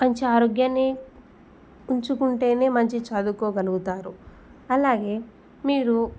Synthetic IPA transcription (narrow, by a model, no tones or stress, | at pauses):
mɐɲt͡ʃiaːɾoːɡjɐnːi | uɲt͡ʃukuɳʈe̞ːne̞ːmɐɲt͡ʃit͡ʃaːd̪ukoːɡɐluɡut̪aːɾu | ɐlaːɡe̞ː | miːɾu